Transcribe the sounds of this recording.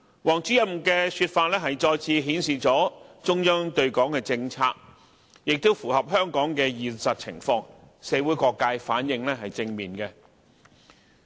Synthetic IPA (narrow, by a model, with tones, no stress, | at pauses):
wɔː˨˩ŋt͡sy˨˥jɐ˨˥m˨kɛː˧syː˧t̚faː˧t̚lɛː˥ɦɐ˨jt͡ʃɔː˧jt͡sʰiː˧ɦiː˨˥nsiː˨t͡ʃɔː˨˥t͡ʃʊ˥ŋjœː˥ŋt̪ɵ˧ɥkɔː˨˥ŋkɛː˧t͡sɪ˧ŋt͡sʰaː˧k̚ | jɪ˨k̚t̪o˥wfuː˨˩ɦɐ˨p̚ɦœː˥ŋkɔː˨˥ŋkɛː˧jiː˨nsɐ˨t̚t͡sʰɪ̰˨˩ŋfɔː˧ŋ | seː˨˥wuː˨˥jkɔː˧kːaː˧jfaː˨˥njɪ˧ŋlɛ˥ɦɐ˨jt͡sɪ˧ŋmiː˨˩nkɛ˧